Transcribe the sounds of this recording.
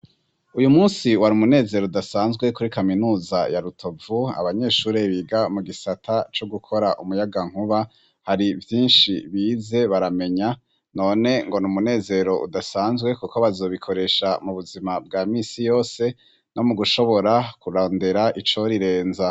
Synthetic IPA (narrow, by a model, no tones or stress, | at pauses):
ujumuːnsiwaɾiumune̞ːze̞ɾoudasaːnzɡwe̞kuɾikaminuːzajaɾutʰo̞vua̰βaɲe̞ːʃuːɾe̞βiɡamuɡisatʰat͡ʃoɡukʰo̞ɾaʔumujaɡaŋ̥uβa | haɾivjiːnʃiβiːze̞βaɾame̞ɲa | no̞ːne̞ŋɡonumune̞ːze̞ɾo̞ʔṵdasaːnzɡwe̞kuko̞βazoːβikʰo̞ɾe̞ʃamuβuzimab̚ɡaːmiːsijo̞ːse | no̞muɡuʃo̞βo̞ɾakuɾoːndeɾaʔit͡ʃo̞ɾiɾe̞ːnza